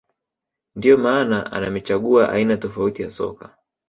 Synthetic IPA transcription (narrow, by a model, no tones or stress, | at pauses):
ndiɔmaːnaʔa̰namit͡ʃaɠuaʔa̰inatɔfautijasɔ̰ka